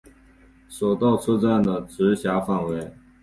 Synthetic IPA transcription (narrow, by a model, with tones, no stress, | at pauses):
so˨˩ʊt̪ɑ˥˩ʊt͡sʰɤ˥ʈ͡ʂa˥˩˨nd̪ə˩ʈ͡ʂɻ̩˧˥ɕja˧˥fa˥˩nwe˧˥ɪ